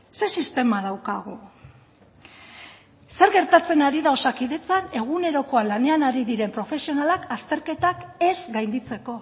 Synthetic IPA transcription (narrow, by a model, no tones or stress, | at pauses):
se̞sist̪e̞mað̞awkaɣ̞o | se̞ɾɣe̞ɾt̪at͡se̞naɾiðaosakiðe̞t͡sane̞ɣ̞une̞ɾo̞ko̞alane̞anaɾiðiɾe̞mpɾo̞fe̞sio̞nalakast̪e̞ɾke̞t̪ake̞zɡajnd̪it͡se̞ko̞